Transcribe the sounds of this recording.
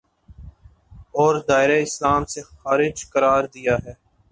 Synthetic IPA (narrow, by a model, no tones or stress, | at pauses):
ɔːɾd̪aːɪɾeɪslaːmsexaːɾɪd͡ʒkəɾaːɾd̪ijaːɦɛː